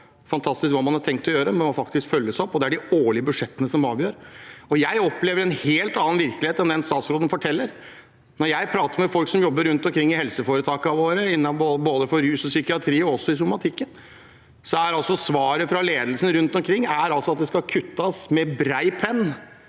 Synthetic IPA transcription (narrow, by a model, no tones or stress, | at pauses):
fɑnt̪ʰɑst̪ɪskʋɑːmɑnhɑʈʰɛŋkt̪ʰɔjøːɾəmɛmɔfɑkt̪ɪskfœlːəsɔpːɔd̪ɛæɖɪoːɭɪəbʉʂɛt̪ːənəsɔmɑːʋjøːɾɔjæɪɔpleːʋəɾɛnheːlt̪ɑnːɑnʋɪɾklɪeːt̪ɛnd̪ɛnst̪ɑːt̪sɾoːd̪ən̩fɔʈʰɛlːəɾ | nɔɾjæɪpʰɾɑːt̪əɾmɛfɔlksɔmjɔbːəɾːʉnt̪ɔmkʰɾɪŋːɪhɛlsəfoːɾət̪ʰɑːkəɑʋoːɾəɪnːɑboboːd̪əfɔɾɾʉːsɔsʏkɪɑt̪ʰɾiːɔɔsːɔɪs̬ʊmɑt̪ʰɪkːən | sɔæɾɑlsɔsʋɑːɾəfɾɑleːd̪əlsən̩ɾʉnt̪ɔmkʰɾɪŋːæɾɑlsɔɑt̪̚d̪ɛskɑkʰʉt̪ːɑsmɛbɾæɪpʰɛnː